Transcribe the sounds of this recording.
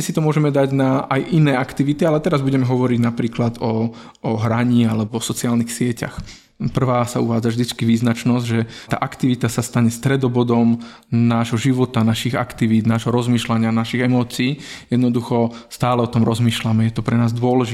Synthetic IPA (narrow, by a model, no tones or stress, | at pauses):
ɛsit̪ɔmʊɔʒɛmɛd̪aɟnaajʔinɛːakt̪iʋit̪ialɛt̪ɛɾazbuɟɛmɛɦɔʋɔɾiɟnapɾiːklad̪ɔ | ɔɦɾaɲiːalɛbɔsɔt͡sɪaːlnixsɪɛca̰x | pr̩ʋaːsauʋaːd͡zavʒd̪it͡skiʋiːznat͡ʃnɔzɟʒɛt̪a̰ːʔakt̪iʋit̪asast̪aɲɛst̪ɾɛd̪ɔbɔd̪ɔm | naːʒɦɔʒiʋɔt̪anaʃiɣa̰kt̪iʋiːd̪naːʒɦɔɾɔzmiːʃlaɲɪanaʃiɣɛmɔːt͡siːjɛd̪nɔd̪uxɔst̪aːlɛɔt̪ɔmɾɔzmiːʃlamɛjɛt̪ɔpɾɛnaːzd̪ʊɔlɛʒi